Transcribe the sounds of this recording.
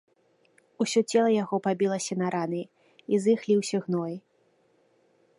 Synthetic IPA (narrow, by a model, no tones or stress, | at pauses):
usʲɔt͡sʲɛlˠɐjaɣɔpabʲilˠɐsʲɐnɐɾanɨ | izɨxlʲiwsʲɐɣnɔji